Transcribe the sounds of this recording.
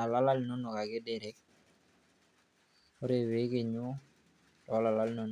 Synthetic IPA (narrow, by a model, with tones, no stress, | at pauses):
a˨la˦la˦lno˦no˨ka˨ɡe˦dɛ˨ɾɛ˦k̚ | o˦ɾe˨we˦ke˨ɲu˦ | tɔ˨˦la˨la˦lno˦n